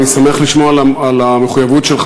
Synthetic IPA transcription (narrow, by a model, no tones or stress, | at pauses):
nisameaχliʃmoalaalameχujavutʃelχ